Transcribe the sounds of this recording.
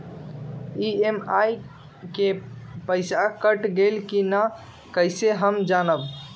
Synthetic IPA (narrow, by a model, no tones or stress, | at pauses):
iemaj | kepəɪsakəʈɡelkina | kəjseɦəmd͡ʒanəb